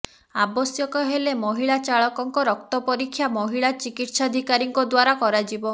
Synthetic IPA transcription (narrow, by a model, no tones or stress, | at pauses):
abɔsjɔkɔɦelemɔɦiɭat͡ʃaɭɔkɔŋkɔɾɔk̚t̪ɔpɔɾikʰːjamɔɦiɭat͡ʃikit̪sad̪ʱikaɾiŋkɔd̪waɾakɔɾad͡ʒibɔ